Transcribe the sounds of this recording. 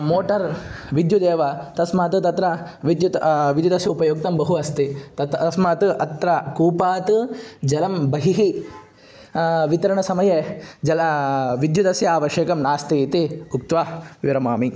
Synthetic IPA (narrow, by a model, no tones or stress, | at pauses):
moːʈɐɾʋid̪jud̪eːʋɐt̪ɐsmaːt̪ɨt̪ɐt̪ɾɐʋid̪jut̪ʋid̪jud̪ɐsjɐupɐjoːk̚t̪ɐmbɐɦuɐst̪it̪ɐt̪ɐsmaːt̪ʔɐt̪ɾɐkuːpaːt̪ɨd͡ʒɐlɐmbɐɦiɦi | ʋit̪ɐɾɐɳɐsɐmɐjed͡ʒɐlʋid̪jud̪ɐsjɐaːʋɐʃjeːkɐmnaːst̪it̪iuk̚t̪ʋaːʋiɾɐmaːmi